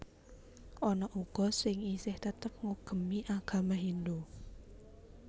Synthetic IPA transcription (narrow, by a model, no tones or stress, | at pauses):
ʔɔnɔʔuɡ̥ɔ̤sɪŋisɪht̪ət̪əp̚ŋuɡ̥ə̤miʔaɡ̥ä̤maɦind̪u